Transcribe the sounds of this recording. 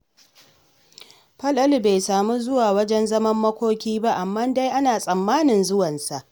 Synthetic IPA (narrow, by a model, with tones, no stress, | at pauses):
ɸɐ˦lʔɐ˦lbe˨jsaː˨muː˦zʊ˦waː˨wɐ˦d͡ʒɛ˦nzɐ˦mɐ˦mːɐ˦kʷoː˦kʲiː˦ba˦ʔa˨mːaː˦nda˦jʔa˦naː˨sʼɐ˨mːaː˦nɪ˨nzʊ˦wɐ˨nsa˨ʔ